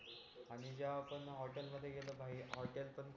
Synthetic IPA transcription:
aɽ̃id͡ʑjaːpənɦɔʈelməd̪ʱːjeɡeləbʱaɦiɦɔʈelpənk

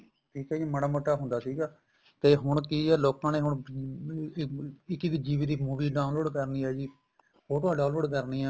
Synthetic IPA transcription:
ʈʰiːkɛːjiːməɽaːmoʈːaːɦʊ̃nd̪aːsiːɡaː | t̪eːɦʊɳkiːɛːloːkãːneːɦʊɳ | ɪkiːd̪iːd͡ʒiːʋiːd̪iːmuːʋiːɖãːnloːɖkəɾniːaːd͡ʒiː | oːʈoaːɖãːnloːɖk̬əɾniːaː

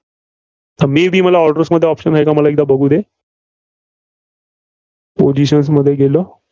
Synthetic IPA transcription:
t̪əɾmiːbʱiːməlaɔɾʈəɾsməd̪ʱːjeɔpɕənɦajkaməlaek̚d̪abəɡʱuːd̪e | pod͡ʑiɕəns̬məd̪ʱːjeɡelo

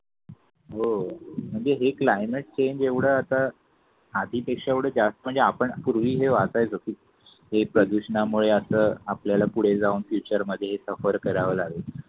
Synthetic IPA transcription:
ɦom̤əɳd͡zeɦeklajmeʈ̚t͡ɕeɲd͡ʑeʋɽ̤əat̪aː | d̪ʱiːpekʂaeʋɽ̤əːd͡ʑast̪əm̤əɳd͡zeapəɳpuɾʋiːɦeʋad͡zaɦet͡sokiː | ɦepɾəd̪uɕəɳamuɭeəsəːapljalapuɽ̤ed͡zauːnfjut͡ɕəɾməd̪ʱːjeɦesəfəɾkəɾaʋəlaɡe

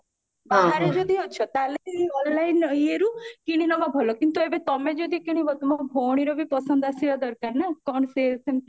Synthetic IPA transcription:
baaaɾed͡ʒod̪ʱiɔt͡ʃʰɔt̪aleɔnlainəieɾũkiɽ̃inɔmabʱɔlokint̪uebet̪ɔmed͡ʒod̪ʱikiɽ̃ibɔt̪umabʱoɽ̃iɾobʱipɔsənd̪asiɔd̪ɔɾkaɾnakɔɳset̪en

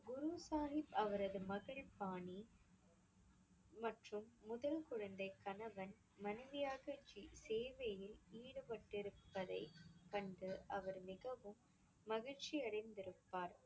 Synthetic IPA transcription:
ɡʊɾusaːnɪpɐʋɐɾɐðɯmɐɣɐɭpaːɳi | mɐʈrɯmːʊðɐlkʊɻɐnd̪ɐɪkːɐnɐʋɐn | mɐnɐʋɪjaːɣɐt͡ʃːiseːʋɐjɪliːɽɯpɐʈːɪɾɯpːɐðɐɪkɐɳɖɯʔɐʋɐɾmɪɣɐʋɯmː | ɐɣɪɻt͡ʃiɐɽɐɪnd̪ɪɾɯpːaːɾ

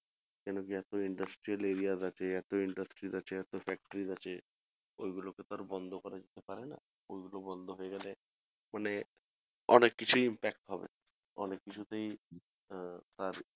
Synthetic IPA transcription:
kɛnok̬iɛt̪oiɳɖasʈɾieleɾiazat͡ɕʰeɛt̪oiɳɖasʈɾizat͡ɕʰeɛt̪ofɛk̚ʈoɾizat͡ɕʰe | ojɡuloket̪aɾbɔnd̪ʱokɔɾad͡ʑet̪epaɾena̰ | ojɡulobɔnd̪ʱoɦoeɡɛle | mane | ɔnekːit͡ɕʰujimpɛkʈɦɔbḛ | ɔnekːit͡ɕʰut̪ej | t̪aɾ

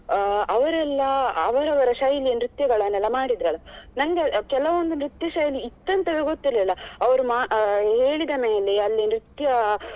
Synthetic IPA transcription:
ɐʋɐɾɛlːɐːʋɐɾɐʋɐɾɐʃaːjilijɐnɾit̪jɐɡɐɭɐnːɛlːɐmaːɽid̪ɾɐlːɐnɐŋɡekɛlɐʋond̪unɾit̪jɐʃaːjliːt̪ːɐnt̪ɐʋeɡot̪ːilːɛlːɐɐʋɐɾumaːɦeːɭid̪ɐme̞ːle̞ɐlːinɾit̪jɐ

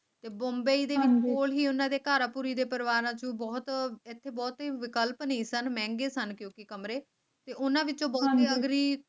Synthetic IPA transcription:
t̪eːbɔ̃ːmbeiːd̪eːɪt͡ʃːoːlɦiːʊnãːd̪eːkaːɾaːpuɾiːd̪eːpəɾɪʋaːɾãːt͡ʃõːbɔːt̪ɪt̪ʰːeːbɔːt̪iʋɪkəlpnəĩːsənmɛ̃ːŋɡeːsənkjõːkɪkəmɾeː | t̪eːʔʊnãːʋɪt͡ʃõːbɔːt̪eːəɡɾiː

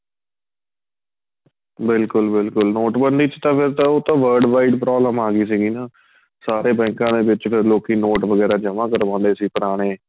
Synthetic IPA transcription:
bɪlkʊlbɪlkʊlnoːʈbənd̪iːt͡ʃt̪ãːpʰɪɾt̪ãːoːt̪ãːʋəːɾɖʋaːiʈpɾɔːbləmaːɡiːsiːɡiːnaː | saːɾeːbɛ̃ːŋkãːd̪eːʋɪt͡ʃpʰɪɾloːkiːnoːʈʋəɡɛːɾaːd͡ʒəmãːkəɾʋãːnd̪eːsiːpəɾaːɽ̃eː

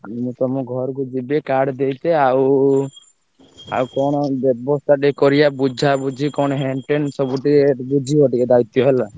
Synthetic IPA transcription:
amũt̪ɔmɔ̃ɡʱɔɾkud͡ʒibekaɽd̪ejt̪eaw | a̰wkɔɽ̃ɔbɔbɔst̪ʰaʈekɔɾijabud͡ʒʱabud͡ʒʱikɔɽ̃ɔɦeɳʈensɔbuʈikebud͡ʒʱiɔʈiked̪ajt̪jɔɦela

